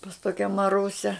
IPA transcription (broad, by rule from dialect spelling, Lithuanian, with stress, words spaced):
pɐs ˈtoːkʲɛ mɐˈrʊsʲɛ